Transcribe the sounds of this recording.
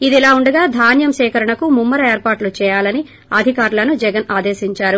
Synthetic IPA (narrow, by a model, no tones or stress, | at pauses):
id̪ɛlaːuɳɖɐɡaːd̪ʱaːnjɐmʃɛːkɐɾɐɳɐkumumːɐɾɐeːɾpaːʈlut͡ʃɛːjaːlɐni | ɐd̪ʱikaːɾulɐnud͡ʒɛɡɐnaːd̪eːʃiɲt͡ʃaːɾu